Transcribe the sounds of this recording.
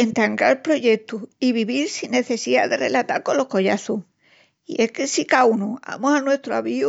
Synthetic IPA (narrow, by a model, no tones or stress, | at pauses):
ent̪aŋɡaɾpɾo̞ʝe̞t̪uiβiβiɾsinːe̞θe̞siða̰ðe̞re̞lat̪aɾkonlːo̞hko̞ʝaθu | ḭʔe̞hkesikawnua̰mosanwe̞st̪ɾoaβiu